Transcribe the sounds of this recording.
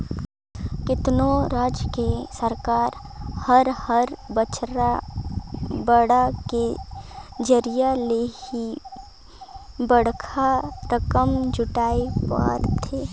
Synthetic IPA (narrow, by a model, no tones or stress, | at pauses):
kɪt̪noɾaːd͡ʒjəkesəɾkaːɾhəɾhəɾbət͡ʃɾa | bəɽake | d͡ʒəɾijalehi | bəɽkʰaɾəkəmd͡ʒʊʈaːepa̰ɾt̪ʰeː